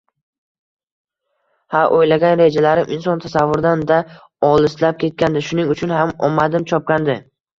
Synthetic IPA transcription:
haʔojlaɡʲanɾe̞d͡ʒalaɾɪmʔɪnsɒnt̪ʰasavːʊɾd̪and̪a | ɒlˠɪslap̚kʲʰe̞t̪̚kʲand̪ɪʃʊnɪŋʊt͡ʃʰʊnhamɒmːad̪ɪmt͡ʃʰɒp̚kʲand̪ɪ

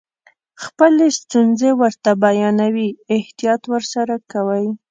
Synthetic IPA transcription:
xpəlest̪unzewəɾt̪abajɑnawiɪht̪ijɑt̪wəɾsaɾakawəj

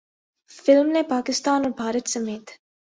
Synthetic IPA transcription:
fɪlmnẽpaːkɪst̪aːnɔːɾbʱaːɾət̪sɐmeːt̪

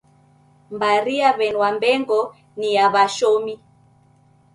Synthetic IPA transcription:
mbaɾiaβɛnwambɛŋɡɔ | niaβaʃɔmi

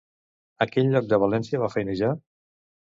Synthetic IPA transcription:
əkɛʎːɔk̚d̪əβ̞əlɛnsiəβafɛjnəʒa

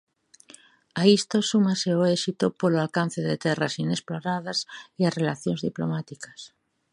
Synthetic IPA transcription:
aist̪osumaseoesit̪opoloalkan̟θeðet̪ɛrasinesploɾaðasiarelaθjõnzðiplo̰mat̪ikas

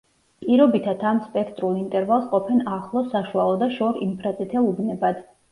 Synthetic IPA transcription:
pʼiɾɔbit̪ʰat̪ʰamspʼɛkʰt̪ʼɾulˠint̪ʼɛɾvalˠsqʼɔpʰɛnaχlˠɔsaʃualˠɔd̪aʃɔɾimpʰɾat̪sʼit̪ʰɛlubnɛbad̪

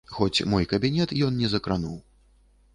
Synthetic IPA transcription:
xɔt͡sʲmɔjkɐbʲinʲɛt̪jɔnnʲɛzɐkɾanuw

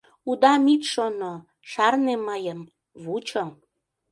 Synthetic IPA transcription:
ud̪ɑmit̪ʃono | ʃɑrneməjəm | βut͡ɕom

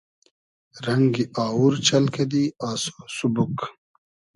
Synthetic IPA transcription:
ɾɐŋɡiʔaːuɾt͡ɕʰɐlkɐd̪iaːso̥subuk

